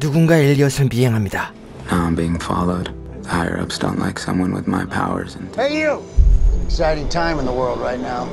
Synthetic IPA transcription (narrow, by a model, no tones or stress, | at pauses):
nuɡunɡaeʎːiʌsʰɯnpiɦeŋɦamɲida | naʊə̃mbiɪ̃ŋfɑ̰lˠoʊd̥ | aɪə̰ɹʌ̰bsd̥õ̰ʊ̃nʔlʔa̰ɪksʌ̰̃mwʌ̃nwɨ̰ðma̰ɪpʰaʊə̰˞z̃neju | ɨksaɪɾɪ̃ŋtʰãɪ̃mə̃nðəwɜ˞lˠd̚ɹaɪtⁿnaʊ